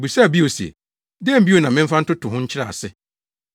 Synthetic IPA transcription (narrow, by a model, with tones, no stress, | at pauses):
bu˨sa˦˨bi˦o˨sɛ̰˨ | dɪ˦ɛ˦m̩˦bi˦o˨nã˨mɪ̃˦m̩˦fa˦n̩˦tʊ˦tʰʊ˨ɦʊ̃˦ɲ̩˦t͡ɕʰɪ˦ɾa̰˦˨sɪ˦